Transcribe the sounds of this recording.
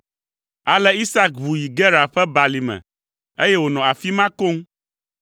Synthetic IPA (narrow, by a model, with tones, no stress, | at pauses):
a˨lɛ˦i˦sa˦k̚bu˨ji˨ɡɛ˦ɾa˨ɸɛ˦ba˨li˨mɛ̰̃˨ | e˦jɛ˦wo˨nɔ̃˨a˨fi˦mã˦ko˦ŋ